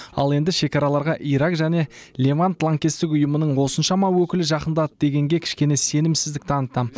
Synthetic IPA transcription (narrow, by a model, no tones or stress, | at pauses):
ɑ̰lˠe̞nd̪ɪʃe̞kɑɾɑlˠɑɾʁɑʔijɾakʒæne̞lʲe̞vanp̪ʰlˠaŋkʲest̪ɪk̬ʊjəmənəɴwo̞sənʃɑmɑwɵkʲɪlɪʒɑqənd̪ɑt̪əd̪e̞ɡʲe̞ŋɡʲe̞kʲʰɪ̥ʃkʲe̞ne̞se̞nɪmsɪzd̪ɪk̚t̪ʰɑnət̪ɑm